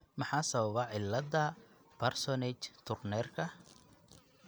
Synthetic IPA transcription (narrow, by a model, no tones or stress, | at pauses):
mɑħɑːsɐβɐβɐʕɪlːɐðɐ | pʰɐrsɔnɛt͡ʃt̪ʰʊrnɛːrkʰɐ